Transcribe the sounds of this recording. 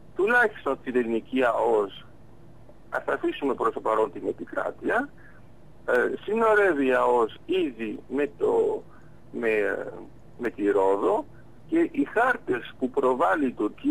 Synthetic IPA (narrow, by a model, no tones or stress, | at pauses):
t̪ulɐçist̪o̞nt̪iðelniciɐo̞s | ɐ̰θɐːfisume̞pɾo̞st̪opɐɾo̞nt̪ine̞pikɾɐ̰t̪iɐ | sino̞ɾe̞viɐo̞siðime̞t̪o | me | me̞t̪iɾo̞ðo̞ | ce̞ʔixɐɾt̪e̞spupɾo̞vɐliːt̪uɾci